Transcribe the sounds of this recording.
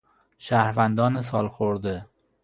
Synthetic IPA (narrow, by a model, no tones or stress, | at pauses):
ʃahɾvand̪ɒnɪsɒlˠχoɾd̪ɪ